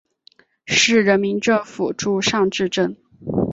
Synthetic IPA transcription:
ʂɻ̩˥˩ɻə˧˥nmi˧˥nʈ͡ʂɤ˥˩ŋfu˨˩ʈ͡ʂu˥˧ʂɑ˥˧ŋʈ͡ʂɻ̩˥˧ʈ͡ʂə˥˩n

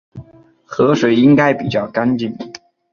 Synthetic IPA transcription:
xɤ˧˥ʂwe˨˩ɪi˥ŋka˥ɪpi˨˩t͡ɕjɑ˥˩ʊka˥nt͡ɕi˥˩ŋ

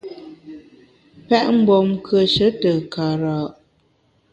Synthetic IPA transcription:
pɛ˦ʔm̩˦bɔ˨mkʰə˨ʃə˨˦tə˨ka˨ɾaː˨ʔ

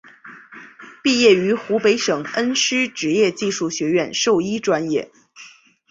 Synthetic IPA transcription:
pi˥˧jɛ˥˩y˧˥xu˧˥pe˧˥ɪʂɤ˨˩ŋə˥nʂɻ̩˥ʈ͡ʂɻ̩˧˥jɛ˥˧t͡ɕi˥˧ʂu˥˩ɕɥɛ˧˥ɥɛ˥˧nʂo˥˩ʊi˥ʈ͡ʂwa˥njɛ˥˩

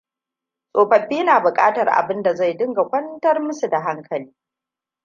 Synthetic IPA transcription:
sʼoː˨ɸɐ˨ɸːiː˦naː˨bʊ˨kʼaː˦tɐ˨rʔa̰˨bɪ˦nda˨za˦˨jdɪ˦ŋɡa˨kʷɐ˦ntɐ˦rmʊ˦su˨da˨ɦa˦ŋkʰɐ˨liː˦

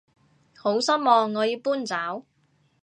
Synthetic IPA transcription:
ho˨˥wsɐ˥t̚mɔː˧ŋːɔː˨˧jiː˨˧wpuː˥nt͡saː˨˥w

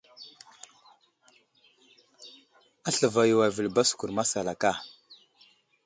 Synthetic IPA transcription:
a˦ɬə˨va˨ju˨wa˨vi˨lba˦su̥˨ku˨ɾma˦sa˨la˨ka˦˨

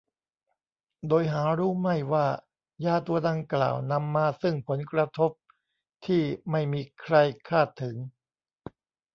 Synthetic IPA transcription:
doː˧jɦaː˩˦ɾuː˦˥ma˥˩jwaː˥˩ | jaː˧t̪u˧ɐda˧ŋkla̰ː˨˩wna˧mːaː˧sɯ˥˩ŋpʰo˩˦nkɾa˧t̪ʰo˦˥p̚ | t̪ʰiː˥˩ma˥˩jmiː˧kʰɾa˧jkʰaː˥˩t̪ʰːɯ˩˦ŋ

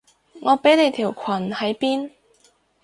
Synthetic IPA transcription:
ŋɔː˨˧pe˨˥jne˨˧jt̪ʰiː˨˩wkʰwɐ˨˩nhɐ˨˥jpiː˥n

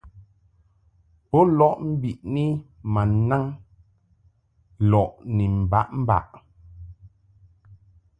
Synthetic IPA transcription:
pɔ˦lɔ˦ʔm̩˦bi˨ʔni˦ma˨na˦ŋ | lɔ˨ʔni˨m̩˨ba̰˦ʔm̩˦ba̰˨ʔ

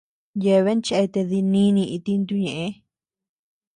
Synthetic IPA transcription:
je˧βe˦nt͡ʃe˧ʔe˧t̪e˧ði˧nĩ˦nĩ˧ʔi˧t̪i˧nd̪u˧ɲẽ˨ʔẽ˧˦

